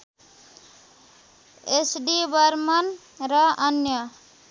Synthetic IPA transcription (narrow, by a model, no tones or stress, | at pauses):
esɖibʌɾmʌn | ɾʌʌnjʌ